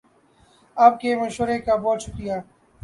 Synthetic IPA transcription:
aːp̚kemɐʃʋəɾekaboːʃʊkɾijaː

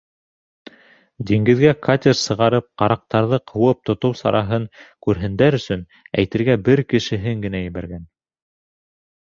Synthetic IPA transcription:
d̪iŋɡɘ̆ðɡækʰat̪ʲersɤ̆ʁɑɾɤp̚qɑɾɑq̚t̪ɑɾðɤqʰɤ̆wɤp̚t̪ŏt̪ɤwsɑ̰ɾʔɑɦɤɴkʉɾɦɘ̆nd̪æɾɵ̆sɵn | æ̰jt̪ɘ̆ɾɡæbɘɾkɘ̆ʃɘ̆ɦɘŋɡɘ̆næjɘ̆βæɾɡæn

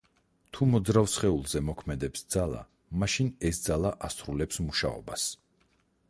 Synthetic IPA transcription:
t̪ʰumɔd̪zɾafsχɛulˠzɛmɔkʰmɛd̪ɛpsd̪z̥alˠa̰ | maʃinɛsd̪zalˠaʔast̪ʰɾulɛpsmuʃa̰ɔ̰bas

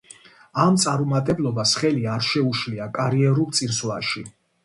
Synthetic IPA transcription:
amt̪sʼaɾumat̪ʼɛblˠɔbasχɛliaɾʃɛuʃliakʼaɾiɛɾulˠt̪sʼiɾslaʃi

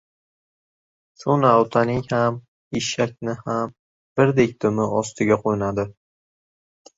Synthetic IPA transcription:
sonawt̪ʰanɪŋham | ɪʃak̚ʲnɪham | b̥ɪɾd̪ek̚ʲt̪ʰʊmɪɒst̪ʰɪɡʲaqʰojɪnad̪ɪ

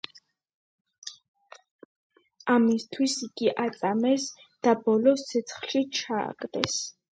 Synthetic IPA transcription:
amist̪ʰwisiɡiʔat̪sʼamɛs | d̪̥abɔlɔst̪ʰɛt̪sʰχlʃit͡ʃʰa̰ːkʼd̪ɛs

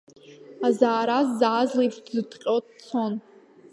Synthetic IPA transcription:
azaːɾazːaːzliptzɨtqʲʼot̚ʰʼt͡sʰon

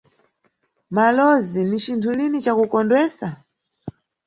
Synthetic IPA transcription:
malɔzinit͡ʃintʰulinit͡ʃakukɔndwɛːsa

